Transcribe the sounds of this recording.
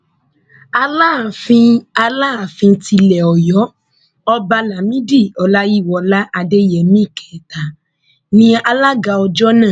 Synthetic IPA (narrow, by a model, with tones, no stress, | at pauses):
a˧la˦˨fĩ˧a˧laː˦˨fĩ˧ti˧lɛ˨ɔ˨jɔ˨˦ | ɔ˧ba˧la˨mĩ˦di˦˨ɔ˨la˦ji˦˨wɔ˨la˦ʔa˧de˦jɛ˨mĩ˦˨kɛ˨ta˨ | nĩ˧a˧la˦ɡa˧ɔ˧d͡ʒɔ˦nãː˦˨